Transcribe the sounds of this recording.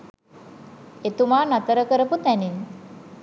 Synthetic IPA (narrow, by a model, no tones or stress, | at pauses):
et̪umaːnat̪əɾəkəɾəput̪ænin